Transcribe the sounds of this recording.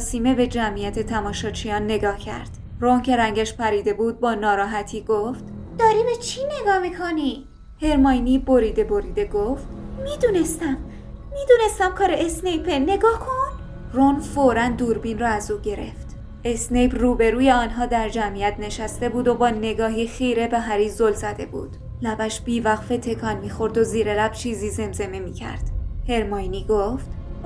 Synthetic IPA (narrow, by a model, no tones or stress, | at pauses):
ɒsiːme̞be̞d͡ʒæmijæt̪ʰe̞t̪ʰæmɒːʃɒːt͡ʃʰijɒːnːe̞ɡɒːhcʰæ̰ɾd̪̥ | roŋcʰe̞ɾæŋɟæʃpʰæɾiːd̪e̞buːd̪̚bɒːnɒːɾɒːɦæt̪ʰiːɡoft̪ | d̪̥ɒːɾibet͡ʃʰine̞ɡɒːmikʰoni | he̞ɾmɒːjniːbo̞ɾiːd̪e̞boɾiːd̪e̞ɡoft̪mid̪uːnest̪æmː | iːd̪uːne̞st̪æmkʰɒːɾeesnejpʰene̞ɡɒːhkʰon | ronfoɾænd̪uːɾbinrɒːæzuːɟe̞ɾe̞̰ft̪ | esnejpʰruːbe̞ɾuːje̞ɒːnɦɒːd̪æɾd͡ʒæmijæt̪̚ʰne̞ʃæst̪e̞buːd̪obɒːne̞ɡɒːɦiːxiːɾe̞beɦæɾiːzolzæd̪e̞̰bṵːd̪̥ | læbæʃb̥iːvæɣfe̞t̪ʰe̞kʰɒːnmiːxo̞ɾd̪oziːɾelæb̥t͡ʃʰiːziːze̞mze̞memiːcʰæ̰ɾd̪̥he̞ɾmɒjniːɡoft̪